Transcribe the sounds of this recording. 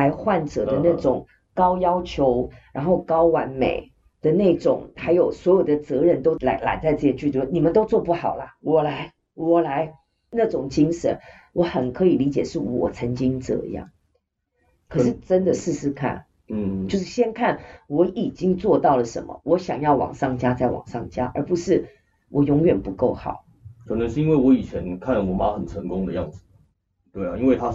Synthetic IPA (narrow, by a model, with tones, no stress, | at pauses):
a˧ɪxwa˥˩nʈ͡ʂɤ˨˩ə˦na˥˩ʈ͡ʂʊ˨˩˦ŋ | kɑ˥ʊjɑ˥ʊt͡ɕʰjo˧˦ʊɻa˧˥nxo˥˩ʊkɑ˥ʊwa˧˥nmḛ˨˩ɪ | d̪̥ə˨na˥˩ʈ͡ʂʊ˨˩˦ŋxa˧ɪjo˨˩ʊswɔ˧˥jo˨˩ʊd̪ə˩t͡sɤ˧˦˥ɻə˥˧nt̪o˥ʊla˧˥ɪla̰˧˥nt͡sa˥˧ɪt͡sɤ˥˩i˧t͡ɕy˥˧t̪wɔ˥˩ni˨˩mə˨˦nt̪o˥ʊt͡swɔ˥˧pu˥˩xɑ˨˩ʊlɐ˦wɔ˨˩la˨˧˥ɪ | wɔ˨˩la˧˥ɪ | na˥˩ʈ͡ʂʊ˨˩ŋt͡ɕi˥ŋʂə̰˨˦n | wʔɔ˧˥xə˨˩nkʰɤ˧˦˥i˨˩li˧˥t͡ɕjɛ̰˨˩ʂɻ̩˥˩wɔ̰˨˩t͡sʰə˧˥nt͡ɕi˥ŋʈ͡ʂɤ̰˥˩ḭ˧jɑ̰˥˩ŋ | kʰɤ˩˨˩ʂɻ̩˥˩ʈ͡ʂə˦˥nd̪ə˨ʂɻ̩˥˧ʂɻ̩˥kʰa̰˥˩n̩˥˩ | jo˥˧ʊʂ̬ɻ̩˥˩ɕjɛ˥nkʰa˥˩nwɔ˧˥i˨˩t͡ɕi˦ŋt͡swɔ˥˧t̪ɑ˥˩ʊlə˩ʂə̰˧˦˥nmə̰˨˩wɔ˧˦˥ɕjɑ˨˩ŋjɑ˥˩ʊwɑ̰˨˩ŋʂɑ˥˩ŋt͡ɕja˥t͡sa˥˩ɪwɑ̰˨˩ŋʂɑ˥˩ŋt͡ɕja̰˦˥ʔə̰˞˧˥pu˧˦ʂɻ̩˥˩ | wʔɔ˨jʊ˧˥ŋɥɛ˨˩npu˧˦ko˥˩ʊxɑ̰˨˩˦ʊ | kʰɤ˨˩nə˦ʂɻ̩˥˩i˥nwe˥˩ɪwɔ˧˦i˨˩t͡ɕʰjɛ˧˦nkʰa˥˩nwɔ˨˥ma˦xə˨˩nʈ͡ʂʰə˧˦ŋkʊ˦ŋd̪ə˨jɑ˥˩ŋd͡zɹ̩˨˩ | t̪we˥˩ɪa˨˩i˥nwe˥˩ɪt̪ʰa˦